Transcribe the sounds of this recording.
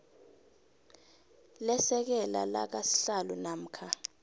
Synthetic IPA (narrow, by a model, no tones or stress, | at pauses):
lɛsɛk̬ɛla̰la̰k̬asi̥ɬalunam̩ːkʰa